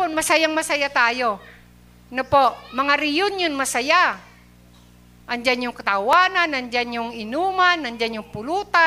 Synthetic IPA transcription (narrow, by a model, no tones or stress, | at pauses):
ʊnmɐsajaŋmasajat̪aːjo | nɐpoʔmɐŋaɾijʊnjʊnmɐsaja | ʔand͡ʒanjʊŋkɐt̪awananand͡ʒanjʊŋɪnuːmanand͡ʒanjʊŋpʊluːt̪a